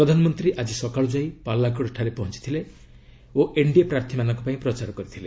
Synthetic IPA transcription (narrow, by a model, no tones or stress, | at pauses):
pɾɔd̪ʱanɔmɔnt̪ɾiʔad͡ʒisɔkaɭud͡ʒajpalːak̬ɔɽʈʰaɾepɔɦɔnt͡ʃi̥t̪ʰile | oʔeɳɖiepɾaɾt̪ʰimanɔ̃ŋkɔpaĩpɾɔt͡ʃaɾɔkɔɾit̪ʰile